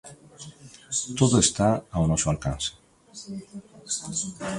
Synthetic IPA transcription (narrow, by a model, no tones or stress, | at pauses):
t̪ot̪est̪aaunoʃoalkanse̥